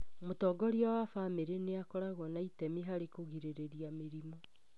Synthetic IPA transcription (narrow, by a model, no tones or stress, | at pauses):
motɔːɡɔɾiawafameɾeneakɔɾaɣɔnaitɛmiɦaɾekoɣiɾeɾeɾiameɾimɔ